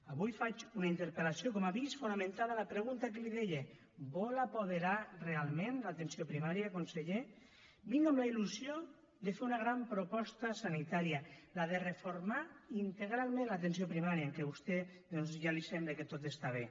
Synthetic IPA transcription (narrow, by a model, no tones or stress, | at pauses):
aβujfat͡ʃunaint̪eɾpelasiokɔmaβisfunamẽnt̪aðalapɾeɣunt̪akeliðeʎe | bɔlapoðeɾarealˠmẽnlat̪ensiopɾimaɾjakonseʎe | biŋɡamlailuzjo | d̪efeɾunaɣɾampɾopɔst̪ɐsanit̪aɾialaðerefoɾmaint̪eɣ̞ɾalˠmẽnlat̪ensijopɾimaɾjaeŋkeβust̪eðɔnzʒalisɛmbleket̪ot̪est̪aβ̞e